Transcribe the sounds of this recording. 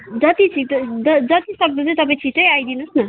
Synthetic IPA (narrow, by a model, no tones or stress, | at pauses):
d͡zʌt̪it͡sʰit̪d͡zʌd͡zʌt̪isʌb̚not͡saj̃t̪ʌpãĩt͡sʰiʈʌjajd̪inusnʌ